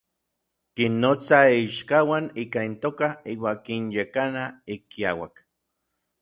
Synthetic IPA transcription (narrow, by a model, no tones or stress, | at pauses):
kinːot͡saiʃkawaniːkaint̪oːkaiːwakinjekanaikijawa̰k